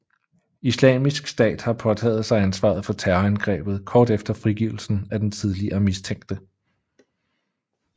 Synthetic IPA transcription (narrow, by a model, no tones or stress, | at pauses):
islɛ̰ːmisɡ̥sd̥ɛ̰ːd̥hɑ̈pʰɒ̽t͡sʰɛ̰ːð̞̩ˠsɑ̈ɪænsʋɑ̰̈ð̞̩ˠfɒ̽t͡sʰæɐænɡ̥ʁɛ̰ːb̥ð̞̩ˠkʰɒːd̥efd̥ɐfʁiɡ̥iʊl̩sn̩æd̥ent͡sʰið̞ˠliɐmist͡sʰeŋ̰ɡ̥̚d̥ə